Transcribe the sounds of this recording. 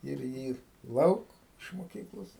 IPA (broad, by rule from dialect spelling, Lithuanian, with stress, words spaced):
ɪr ˈjiː ˈlˠɐʊk ɪʃ moːˈkʲiːklˠoːs